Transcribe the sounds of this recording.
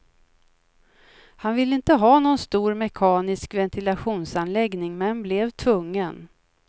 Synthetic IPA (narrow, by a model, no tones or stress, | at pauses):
hanvɪlːəɪnt̪əɦɑːnɔnst̪uːɾmɛkʰɑːnɪskvɛnt̪ʰɪlaɧuːnsanlɛɡnɪŋmɛnːblɛvt̪ʰvɵŋːən